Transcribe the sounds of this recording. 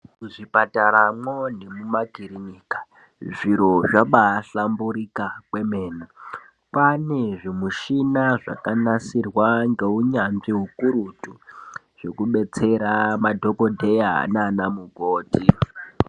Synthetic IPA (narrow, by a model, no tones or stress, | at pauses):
uʐipataɾamonemumaɡʱiɾiɲiːkḁ | ʐiɾoaɓaːɬambuɾikakwe̞me̞ːni | pane̞ʐimuʃinaʐa̰kanasirwaŋɡe̞uɲanʐiɦukuɾutu | ʐ̥e̞kuɓe̞t͡se̞ɾamadʱo̞kodʱe̞ja̰naːnamuɡʱoːti